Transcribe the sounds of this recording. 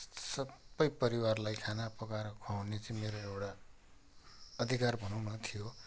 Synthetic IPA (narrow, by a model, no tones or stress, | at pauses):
sʌbʌjpʌɾiwaɾlajkʰanapʌkaɾkʰawnet͡sʌ̃ĩmeɾoewɽa | ʌd̪ʱikaɾbʱʌnũnʌt̪ʰijo